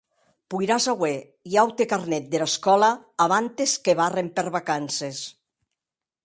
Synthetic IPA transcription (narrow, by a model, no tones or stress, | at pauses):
pujɾazawe | iawt̪ekarnɛt̪̚d̪elaskɔlaː | βant̪eskeβarempeɾβakanses